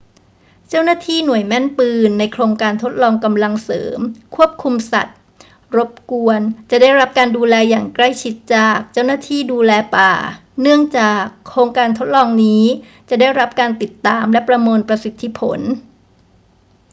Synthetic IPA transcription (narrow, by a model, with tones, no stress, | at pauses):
t͡ɕa˥˩wnaː˥˩t̪ʰiː˥˩nu˨˩əjmɛ˥˩npɯː˧nːa˧jkʰɾoː˧ŋkaː˧nt̪ʰo˦˥t̪̚lɔː˧ŋka˧mla˧ŋsɤ̰ː˩˦mkʰu˥˩əp̚kʰu˧msa̰˨˩t̪̚ | ɾo˦˥p̚ku˧ənt͡ɕa˨˩da˥˩jɾa˦˥p̚kaː˧nduː˧lɛː˧jaː˨˩ŋkla˥˩jt͡ɕʰi˦˥t̪̚t͡ɕaː˨˩k̚t͡ɕa˥˩wnaː˥˩t̪ʰiː˥˩duː˧lɛː˧paː˨˩nɯ˥˩əŋt͡ɕaː˨˩kʰːɾoː˧ŋkaː˧nt̪ʰo˦˥t̪̚lɔː˧ŋniː˦˥ | t͡ɕa˨˩da˥˩jɾa˦˥p̚kaː˧nt̪i˨˩t̪ːaː˧mlɛ˦˥pɾa˧moː˧npɾa˧si˨˩t̪ʰːi˧˦˥pʰo̰˩˦n